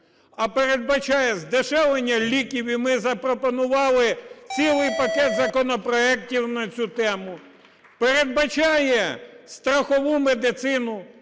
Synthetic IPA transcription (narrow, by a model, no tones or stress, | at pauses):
ɐpeɾed̪̚bɐt͡ʃajɛzd̪eʃɛlˠenʲːɐlʲikʲiʋʲimɪzɐpɾɔpɔnʊʋɑlˠɪt͡sʲilˠɪjpɐkɛt̪zɐkɔnɔpɾɔɛk̚tʲiwnɐt͡sʲut̪ɛmʊ | peɾed̪̚bɐt͡ʃɑjɛst̪ɾɐxɔʋumed̪ɪt̪sɪnʊ